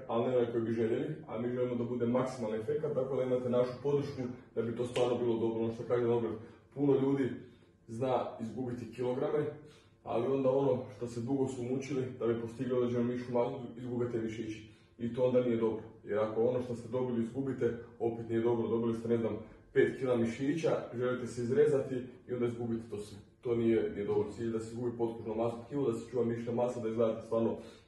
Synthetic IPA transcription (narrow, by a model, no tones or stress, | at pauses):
alnealikojbiʒelelia̰miːʒe̞limod̪abud̪e̞maksimalniefe̞kat̪̚t̪ako̞d̪aimat̪e̞naʃupo̞d̪r̩ʃkud̪abit̪ost̪ʋaːɾnobiːlˠo̞d̪o̞bɾonoʃt̪okaːʒeoɡɾedpuno̞ʎuːd̪i | znaːizɡubit̪ikilo̞ɡɾame | a̰lio̞nd̪ao̞no̞ʃt̪o̞sed̪uɡo̞sumut͡ɕilid̪abipo̞st̪iɡlʲiod̪ɾed͡ʑenomiʃumaɡod̪uizɡubit̪eʋiʃeit͡ɕi̥ | it̪oo̞nd̪anije̞d̪o̞bɾojeɾako̞o̞no̞ʃt̪ost̪e̞d̪o̞biliizɡubit̪eo̞pet̪nije̞d̪o̞bɾod̪o̞bilist̪ene̞znampeːt̪kilamiʃiːt͡ɕaʒe̞lit̪e̞seizɾezat̪iio̞nd̪aizɡubit̪e̥t̪osʋet̪o̞ːnijenije̞d̪o̞βolt̪siːʎd̪aseizɡubipo̞t̪kuʒnomasokilod̪ase̥t͡ʃuːʋamiːʃt̪omasad̪aizɡlad̪at̪et̪ʋaːɾno̞